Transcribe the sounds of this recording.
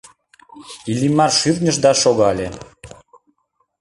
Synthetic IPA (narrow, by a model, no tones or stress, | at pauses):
ilʲimɑrʃyrnʲəʃd̪ɑʃoɣɑlʲe